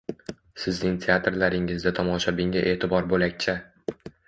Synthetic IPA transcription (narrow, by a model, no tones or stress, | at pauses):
sɪznɪŋt̪ʰeat̪ɾlaɾɪŋɪzd̪at̪ʰɒmɒʃabɪŋaʔe̞ːt̪ʰɪbɒɾbolakʲt͡ʃʰa